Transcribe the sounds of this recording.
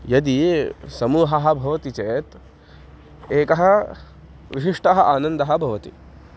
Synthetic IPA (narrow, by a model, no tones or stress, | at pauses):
jɐd̪isɐmuːɦɐɦɐ̆bʱɐʋɐt̪it͡ʃeːt̪ | eːkɐɦɐ̆ | ʋiʃiʂʈɐɦɐ̆ʔaːnɐnd̪ɐɦɐ̆bʱɐʋɐt̪ḭ